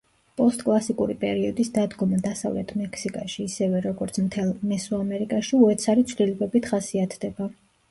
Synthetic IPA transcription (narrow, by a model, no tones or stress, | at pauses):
pʼɔst̪ʼkʼlˠasikʼuɾipʼɛɾiɔd̪isd̪ad̪ɡɔmad̪asa̰vlɛ̰t̪ʰmɛkʰsikʼaʃiːsɛvɛɾɔɡɔɾt̪sʰmt̪ʰɛlˠmɛsuamɛɾikʼaʃiuɛt̪sʰaɾit̪sʰvlilɛbɛbit̪ʰχasiat̪ʰd̪ɛba